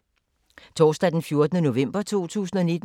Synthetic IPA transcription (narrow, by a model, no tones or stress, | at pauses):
t͡sʰɒːsd̥ɛd̥enfjo̝ɐd̥ənəno̝ʋem̰b̥ɐt͡sʰo̝̰ːt͡sʰṵːs̬n̩ɒ̽nid̥